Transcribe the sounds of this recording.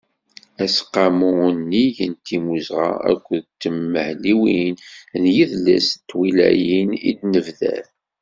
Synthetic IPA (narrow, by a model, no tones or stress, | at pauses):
æsqːɑmunːijənt̪imuzʁa̰æ̰kʷːəðt̪ːəmːəhliwinðjiðlːæ̰st̪ːwilæ̰jinḭd̪nəvðæ̰θ